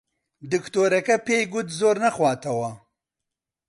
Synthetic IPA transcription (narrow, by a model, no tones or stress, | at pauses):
d̪ɨkt̪oɾɐkapejɡʊt̪zoːɾnaxwɑːt̪ɐwa